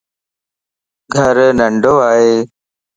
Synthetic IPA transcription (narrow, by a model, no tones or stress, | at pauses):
ɡʱɐɾnɐɳɖoːaːɦeː